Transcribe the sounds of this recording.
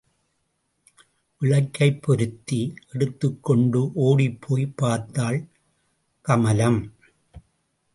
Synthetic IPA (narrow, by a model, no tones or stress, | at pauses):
ʔɪɭɐkːɐɪpːɔɾɯt̪ːiɛɽɯt̪ːɯkːɔɳɖɯʔoːɽipʰːoːjpːaːɾt̪ːaːl | kɐmɐlɐm